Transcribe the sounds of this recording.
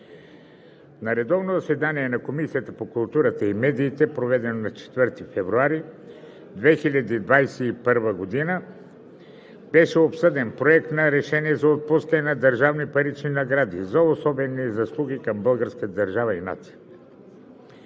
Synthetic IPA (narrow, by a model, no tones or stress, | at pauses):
nɐɾɛd̪ɔvnozɐsɛd̪aniɛnɐkomisijət̪əpokʊlˠt̪uɾət̪əimɛd̪iːt̪ɛpɾovɛd̪ɛnonɐt͡ʃɛ̥t̪vɤɾt̪ifɛvɾuaɾi | d̪vɛxilʲɐd̪id̪vajsɛipəɾvəɡod̪inə | b̥ɛʃɛopsɤd̪ɛnpɾoɛk̚t̪nɐɾɛʃɛniɛzɐot̪̚puskənɛnɐd̪ɐɾʒavnipɐɾit͡ʃninɐɡɾad̪ḭzɐosɔbɛnizɐslˠuɡʲikɐmbəlˠɡəɾskət̪əd̪əɾʒavəina̰t̪sijə